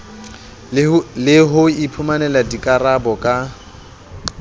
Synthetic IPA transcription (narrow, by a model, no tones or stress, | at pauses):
lɪɦʊipʰumanɛladikʼarabɔkʼa